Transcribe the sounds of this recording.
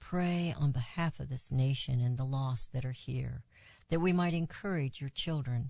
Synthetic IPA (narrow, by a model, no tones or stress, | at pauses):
pʰɹ̥eɪə̰̃nbɨhæfʌvðɪsneɪʃɨ̰̃nɨ̃nðəlɔsðɨɾə˞hḭɹ | ðɨt̚wimaɪɾɨ̃nkʰɜ˞ɪd͡ʒjə˞t͡ʃʰɪlˠdɹɨ̃n